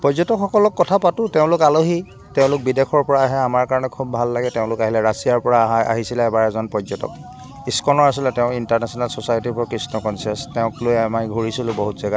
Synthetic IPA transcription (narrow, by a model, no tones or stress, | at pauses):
pɔzɔtɔkxɔkɔlɔkːɔtʰapatʊteʊ̃lʊkaloɦi | teʊ̃lʊk̚bidexʰɔɹpɔɹaːɦɛamaɹkaɹɔnɛkʰubːʱalːaɡɛteʊ̃lʊkaɦilɛɹasijaɹpɔɹaa̰ɦisilɛːbaɹɛzɔnpɔzɔtɔ̰k̚ | iskɔnɔɹasilɛtɛʊ̃intaɹnɛsɔnalsɔsajtipʰɔɹkɹisnɔkɔnsiɛstɛʊ̃klojamajɡʱuɹisilʊ̃boɦutzɛɡa